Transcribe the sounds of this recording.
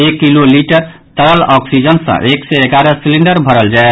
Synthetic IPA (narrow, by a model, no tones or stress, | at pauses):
ekːiloliʈəɾ | t̪əɾəlɔksid͡ʒənsə̰̃ʔeksɛeɡaɾəsiliɳɖəɾbʱəɾəld͡ʒae